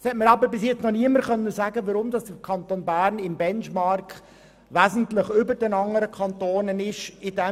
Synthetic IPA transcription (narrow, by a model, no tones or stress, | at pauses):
shɛtməɾɑːbəbɪs̬jɛt͡snɔniəməɾχœnːəzæːɡəʋɑɾʊmd̪ɑsd̥əkʰɑnt̪oːnbæːɾnɪmbɛnʃmɑrk | ʋæːzn̩t̪lɪχʏbəɾd̥ɛnɑŋəɾəkʰɑnt̪oːnənɪʃɪd̥ɛ